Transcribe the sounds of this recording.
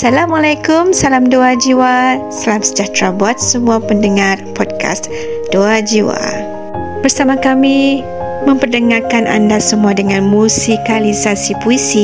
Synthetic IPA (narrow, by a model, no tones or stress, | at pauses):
salamalajkʊmsalamdoad͡ʒiwasalamsəd͡ʒat̪ɾabuat̪̚səmuapəndəŋarpɔd̚ka̰s | doad͡ʒiwa̰ | b̥ərsamakami | mə̃mpərdəŋarkanʔa̰ndasəmuadəŋãnmusikalisasipuisi